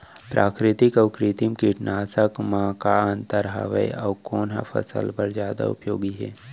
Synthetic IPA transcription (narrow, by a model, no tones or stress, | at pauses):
pɾʔaːkɾɪt̪ɪkɐʊkɾɪt̪imkɪʈnaːsəkmãkaə̃nt̪əɾɦa̰ʋə̰jɐʋkoːnɦa̰fʰə̰sə̰lpəɾzjaːd̪a̰ʊ̰pjoːɡiɦɛ̰ː